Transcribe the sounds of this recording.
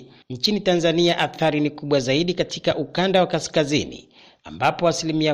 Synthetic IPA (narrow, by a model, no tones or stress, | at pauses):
n̩t͡ʃinitanzaniaʔaθaɾinikuɓwazaiɗikatʰikaʔukandawakaskazinḭ | a̰mbapɔasilimia